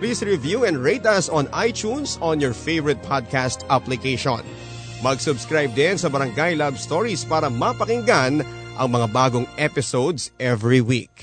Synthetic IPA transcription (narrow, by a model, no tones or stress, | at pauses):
plisɹɪvjuːɛ̃nd̪ɹejt̪ɐsɔ̃nʔajt͡ʃunsɔ̃njɔɹfejvɛɾɛt̪̚pʰad̪̚kast̪ʔaplɪkeʃo̰n | mɐɡsʊbskɹajb̚d̪ɪnsɐbɐɾɐŋɡajlabst̪oɹispaːɾɐmɐpɐkɪŋɡan | ʔɐŋmɐŋabaːɡoŋʔɛpɪsowd̪sʔɛvɹiwḭk̚